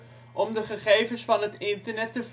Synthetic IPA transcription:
ʔɔmdəχəχejvənsfɑnɦətɪntəɹnɛtəv

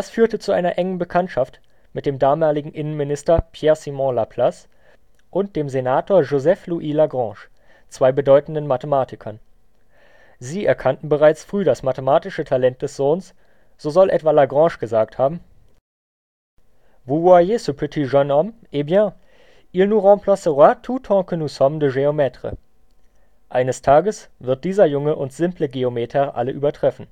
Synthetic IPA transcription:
d̥asfyːɐtət͡suʔaɪnɐʔɛŋənbəkʰantʃaft | mɪt̚d̥eːmdaːmaːlɪɡŋ̩ʔɪnənmɪnɪstɐpʰjɛːɐsimɔ̃lapʰl̥as | ʔʊnt̚d̥eːmzenaːtʰoːɐʒozɛfluʔiːlaɡʁɑ̃ːʃ | t͡sv̥aɪbədɔʏtn̩dənmatəmaːtɪkʰɐn | ziːʔɛɐkʰantn̩bəʁaɪt͡sfʁ̥yːdasmatəmaːtɪʃətʰalɛnt̚d̥ɛsz̥oːns | z̥oːzɔlʔɛ̰tv̥alaɡʁɑ̃ːʃɡ̥əzaːk̚thaːbm̩ | vuwajesupʰɪtʰiʒɔnɔmʔebjã | ʔilnuʁɔ̃mpʰlɔsəʁatʰutʰɔ̃kənusɔmdəʒeomɛtʁ̥ə̰ | ʔaɪnəstʰaːɡəsvɪɐt̚d̥iːzɐjʊŋəʔʊntz̥ɪmpləɡeometʰɛʁʔa̰ləʔyːbɐtʁ̥ɛfn̩

